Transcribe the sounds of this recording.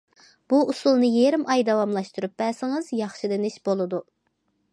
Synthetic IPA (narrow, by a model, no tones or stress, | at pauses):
b̥uʔusulˠnɨjeɾɪmʔɑjd̪ɛwɑmlˠɑʃt̪uɾup̚bɛsɪŋɨz̥jɑχʃid̪ɪnɪʃbolˠɨd̪u